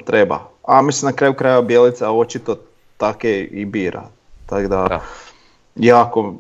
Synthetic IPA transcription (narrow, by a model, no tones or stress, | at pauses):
t̪ɾeba̰amisimnakɾaːjukɾajabjelit̪saot͡ʃit̪o | t̪akeibiːɾa̰ | t̪aɡd̪a | jaːko